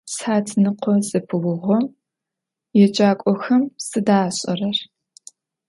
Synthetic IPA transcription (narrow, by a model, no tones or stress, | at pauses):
sħaːtʰnɨqʷʰɔzʼɨpʰɨwʊʁʷɔm | jɛt͡ʃʼaːkʷʼɔxɐmsɨdaːɕʼɐrɐr